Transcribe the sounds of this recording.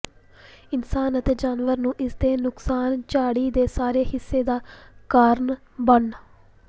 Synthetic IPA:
ɪnsaːnət̪eːd͡ʒaːnʋəɾnũːʔɪsd̪eːnʊksaːnt͡ʃaːɽiːd̪eːsaːɾeːhɪsːeːd̪aːkaːɾɳ | bəɳ

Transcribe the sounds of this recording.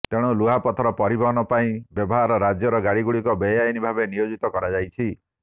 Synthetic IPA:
t̪eɽ̃uluɦapɔt̪ʰɔɾɔpɔɾibɔɦɔnɔpaĩbjɔbɔɦaɾɔɾad͡ʒjɔɾɔɡaɽiɡuɽikɔbejajnibʱabenijod͡ʒit̪ɔkɔɾad͡ʒajt͡ʃʰi

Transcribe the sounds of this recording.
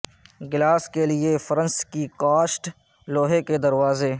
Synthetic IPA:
ɡɪlaːskeliefɐɾə̃nskikaːʃʈ | loːɦeked̪ɐɾwaːzeː

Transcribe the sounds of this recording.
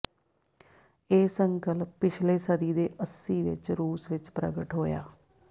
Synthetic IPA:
eːsəŋkəlpːɪt͡ʃʰleːsəd̪iːd̪eːʔəsːiːʋɪ̰t͡ʃɾuːsʋɪt͡ʃpɾə̰ɡəʈɦoːja̰ː

